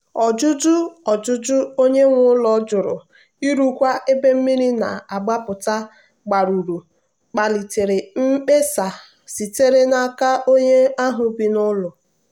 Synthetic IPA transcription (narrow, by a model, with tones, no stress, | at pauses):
ɔ˨d͡ʒʊ˦d͡ʒʊ˦ɔ˨d͡ʒʊ˦d͡ʒʊ˦o˦ɲe˦ŋʷʊ˦lɔ˦d͡ʒʊ˨ɾʊ˨ | i˦ɾu˦kʷa˦ʔe˦be˦m̩˦mi˦ɾi˦na˨a˨ɡ͡ba˦pʊ˨ta˦ | ɡ͡ba˨ɾu˨ɾu˨ | k͡pa˨li˨te˨ɾe˨m̩˦k͡pe˦sa˨ | si˨te˦ɾe˦na˨ka˦ʔo˦ɲe˦a˦ɦʊ˨bi˨nʊ˦lʊ˨